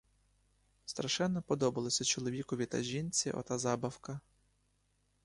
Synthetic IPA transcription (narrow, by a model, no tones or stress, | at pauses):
st̪ɾɐʃɛnːɔpɔd̪ɔbɐlˠɔsʲɐt͡ʃɔlˠɔʋʲikɔʋʲit̪ɐ̰ʒʲinʲt͡sʲiʔɔ̰t̪azɑbɐwkɐ